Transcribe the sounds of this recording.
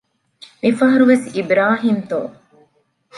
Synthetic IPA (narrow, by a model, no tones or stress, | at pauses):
mifɐɦɐɾuʋesibɾaːɦiːmt̪oː